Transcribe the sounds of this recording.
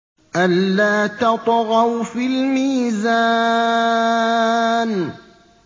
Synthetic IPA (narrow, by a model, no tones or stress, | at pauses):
ʔalːaːt̪ɑt̪ˤɣɑwfiːlmiːza | n